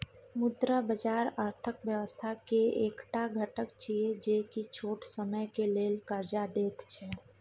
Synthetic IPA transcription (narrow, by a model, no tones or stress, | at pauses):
mʊd̪ɾəbəd͡ʒaːɾəɾt̪ʰəkʋjəʋəst̪ʰakeeːkʈaɡʱəʈəkt͡ʃied͡ʒeːkit͡ʃʰoːʈsəməjkeleːlkəɾd͡ʒad̪eːt̪t͡ʃʰɛː